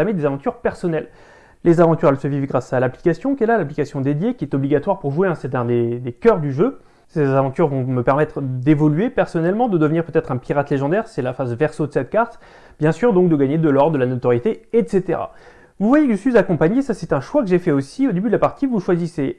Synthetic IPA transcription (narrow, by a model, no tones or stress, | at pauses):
amed̪ezavɑ̃t̪yʁpɛʁsɔnɛl | lezavɑ̃t̪yʁɛlsəvivɡʁasalapli̥kasjɔ̃kʲɛlalaplikasjɔ̃d̪ed̪jekʲiɛt̪ɔbliɡat̪waʁpuʁʒueɛ̃sɛt̪ɛ̃d̪ed̪ekʲœʁd̪yʒø | sezavɑ̃t̪yʁvɔ̃məpɛʁmɛt̪χd̪evɔlyepɛʁsɔnɛlmɑ̃d̪əd̪əvniʁpøt̪ɛt̪χɛ̃piʁat̪leʒɑ̃d̪ɛʁsɛlafazvɛʁsod̪əsɛt̪̚kaʁt̪ | bjɛ̃syʁd̪ɔ̃k̚d̪əɡaɲed̪əlɔʁd̪əlanot̪ɔʁjet̪eɛt̪set̪ḛʁa̰ | vuvwajekəʒəsɥizakɔ̃paɲesasɛt̪ɛ̃ʃwakəʒefɛosiod̪ebyd̪əlapaʁt̪ivuʃwazise